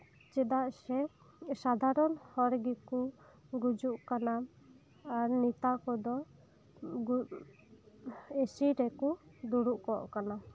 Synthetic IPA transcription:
t͡ʃɛd̪aʔsɛ | sad̪ʱaɾɔnhɔɾɡikuɡud͡ʒuʔkana | aɾnit̪akɔd̪ɔ | ɡu | esiɾɛkud̪uɽuʔkɔʔkana

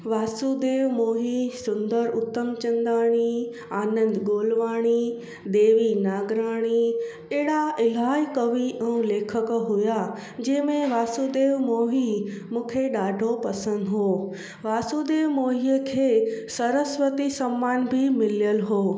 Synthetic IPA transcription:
ʋaːsud̪eːʋmoːɦisʊ̃nd̪əɾʊt̪ːəmt͡ɕə̃nd̪aːɽ̃i | aːnə̃nd̪ɡoːlʋaːɽ̃i | d̪eːʋinaːɡɾaːɽ̃i | eːɽaɪlaːikɐʋiʔɛ̃ũleːkʰəkɦʊja | d͡ʑɛ̃ːmẽʋaːsuːd̪eːʋmoːɦimũːkʰeɗaːɖʱopɐsə̃nd̪ɦoː | ʋaːsud̪eːʋmoːɦijəkʰeːsɐɾəsʋət̪isɐmːaːnbʱɪmɪljəlɦoː

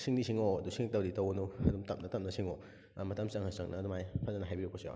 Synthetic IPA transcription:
sʰiŋdisʰiŋodusʰiŋtawditawnuɐdumtɐm̚nɐtɐmnɐsʰiŋo | mɐtamsaŋhasaŋ̚nɐdɔmajpʰazanɐɦajbiɾɔpʰosiɔ̰

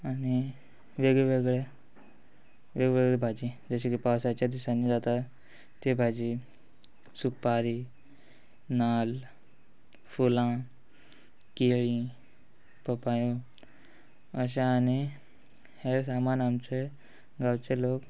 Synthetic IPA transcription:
añi | ʋeɡɭeʋeɡɭe | ʋeɡeʋeɡɭebʱad͡ʑid͡zəɕekipawsat͡ɕad̪isanːid͡zat̪a | t̪ebʱad͡ʑi | supaɾi | nal | fulã | keɭi | pəpajo | əɕ̬eani | heɾsamanamt͡se | ɡawt͡seloːk

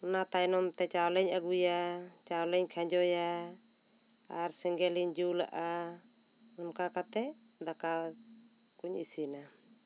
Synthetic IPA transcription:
ɔnat̪ajnɔmt̪ɛt͡ʃawlɛɲaɡujat͡ʃawlɛɲkʰaɲd͡ʒɔja | aɾsɛŋɡɛliɲd͡ʒula̰ʔa | ɔmkakat̪ɛ | d̪aka | kuɲisina

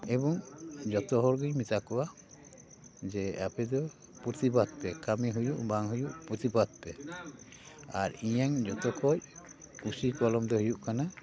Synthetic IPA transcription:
ɛbɔŋd͡ʒɔt̪ɔɦɔɾɡimit̪akɔwa | d͡ʒɛapɛd̪ɔ | puɾt̪ibad̪̚pɛkamiɦujuʔbaŋɦujuʔpuɾt̪ibad̪̚pɛ | a̰ɾijaŋd͡ʒɔt̪ɔkʰɔjkusikɔlɔmd̪ɔɦujuʔkana

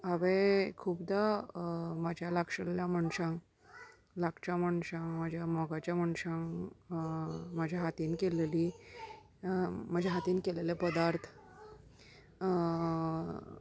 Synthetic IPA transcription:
aʋẽkʰuːbd̪a | mad͡ʑʱjalakʂəljamaɳsãŋ | lakt͡ɕamaɳɕãŋmad͡ʑʱjamɔɡat͡ɕjamaɳʂãŋ | mad͡ʑʱjaɦat̪iːnkeleliː | mad͡ʑʱjaɦat̪iːnkelelepəd̪aɾt̪ʰ

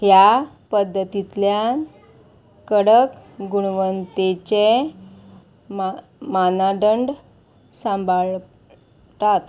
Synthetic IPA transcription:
ɦja | pəd̪ʱːət̪it̪ljan | kəɽəkɡuɳʋənt̪et͡ɕe | m | manaɖəɳɖ | sãmbʱaɭ | t̪at̪

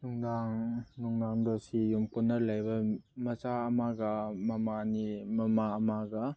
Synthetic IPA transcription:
nuŋdaŋnuŋdaŋdɔsijumkunːɐɾlajbɐmɐzaɐmaɡɐmɐmanimɐmaɐmaɡɐ

